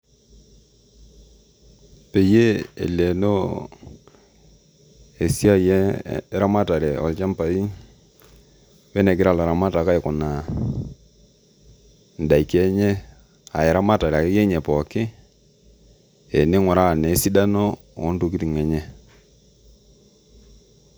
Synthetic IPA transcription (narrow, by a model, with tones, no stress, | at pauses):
pe˨je˦ḛ˨le˨no˦ | e˨si˦a˦jɛ˦ɾa˦ma˦ta˨ɾɛ˨ɔ̰˨lt͡ʃa˦mpa˨i˦ | wɛ˦nɛ˨ɡɪ˦ɾa˦˨la˨ɾa˨ma˦ta˨ka˦ɪ˨kʊ˨na˨ | n̩˨da˨i˨kɛ˦ɲɛ˦ | a˨ɛ˨ɾa˦ma˦ta˨ɾkjɛ˦ɲɛ˨pɔ˨kɪ˦ | e˨ne˦ŋɔ˨ɾa˦˨ne˨˦si˦da˦no˦ | ɔ̰˨˦ntu˦k̬i˦ti˨ŋɛ˨ɲɛ˦